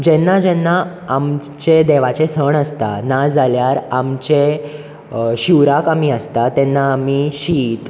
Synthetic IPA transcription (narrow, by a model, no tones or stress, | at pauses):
d͡ʑɛnːad͡ʑɛnːaː | m | t͡ɕed̪ɛʋat͡sesəɳəst̪a̰nad͡zaljaɾamt͡ɕe | ɕiwɾakamiəst̪at̪ɛnːaːmiɕiːt̪